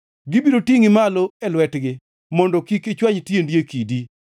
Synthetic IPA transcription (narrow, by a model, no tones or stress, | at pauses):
ɡɪbiɾotiŋɪmaloɛlwɛtɡɪ | mɔndɔkiket͡ʃwaɲtjendjekidi